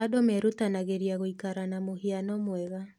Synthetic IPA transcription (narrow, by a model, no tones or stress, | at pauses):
adɔmɛɾutanaɣeɾiaɣoikaɾanamohianɔmwɛɣa